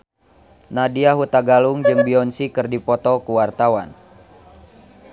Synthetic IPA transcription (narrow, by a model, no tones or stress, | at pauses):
nadiaɦut̪aɡaluŋd͡ʒɨŋbiɔnsikɨrdipɔt̪ɔkuwart̪awan